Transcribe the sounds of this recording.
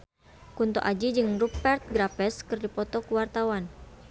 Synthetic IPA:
kunt̪o̰ʔad͡ʒid͡ʒɨŋrupɛrt̪̚ɡɾapɛskɨrdipɔt̪ɔkuwart̪awan

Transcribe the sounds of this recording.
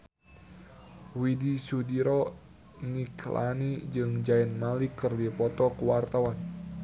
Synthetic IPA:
widisudiɾɔ | niklʔa̰nid͡ʒɨŋd͡ʒaɛnmalikərdipɔt̪ɔkəwart̪awan

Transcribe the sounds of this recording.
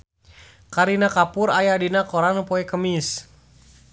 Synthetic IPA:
kaɾinakapʊɾajadinakoɾanpɔɛkəmis

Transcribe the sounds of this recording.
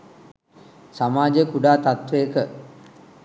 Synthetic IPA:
samaːd͡ʒəkuɖaːt̪at̪ʋejəkə

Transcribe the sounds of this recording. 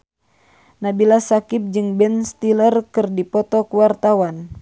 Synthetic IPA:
nabilasakip̚d͡ʒɨŋbɛnst̪ilərkɨrdipɔt̪ɔkuwart̪awan

